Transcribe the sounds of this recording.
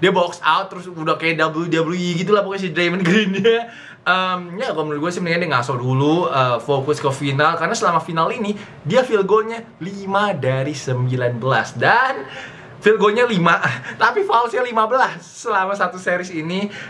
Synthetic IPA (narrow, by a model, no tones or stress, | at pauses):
diabɔksaʊt̪ːəɾʊsudahkajaʔdabəludabəluiɡit̪̬ulahpokas̬idɾamənɡɾindia | əmjaɡomənɡuasimənikɲadiaŋasɔduluəfokʊskəfinalkarnasəlamafinalini | diafilɡoɲa | limadaɾisəmbilanbəla̰sdan | filɡoɲalimat̪apifaulsɲalimabəlasːəlamasat̪useɾɪsini